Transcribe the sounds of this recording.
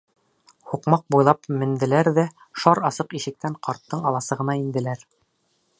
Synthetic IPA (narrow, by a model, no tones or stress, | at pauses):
huqmɑq̚bujlˠɑpmɘ̆nd̪ɘ̆læɾðæ | ʃɑɾɑsɤqiʃɘ̆k̚t̪æɴqʰɑɾt̪ːɤɴɑlˠɑsɤ̆ʁɤ̆nɑind̪ɘ̆læɾ